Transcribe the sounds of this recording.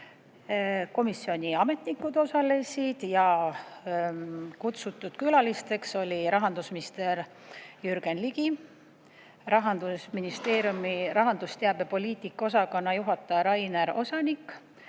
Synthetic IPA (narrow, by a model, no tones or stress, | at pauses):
ko̞misːio̞nʲiɑme̞t̪nikːˑud̪̥o̞sɑle̞sʲid̪̥jɑ | kut̪sut̪ˑːud̪̥kylɑlist̪e̞kso̞lʲiɾɑɦɑnd̪usminist̪e̞ɾ | jyɾɡ̥e̞nliɡ̥i | rɑɦɑnd̪̥usminist̪e̞ːɾjumiɾɑɦɑnd̪ust̪eɑbe̞po̞lʲiːt̪ˑikːˑo̞sɑkonːɑjuɦɑt̪ːˑɑɾɑjneɾo̞̰sɑnikːˑ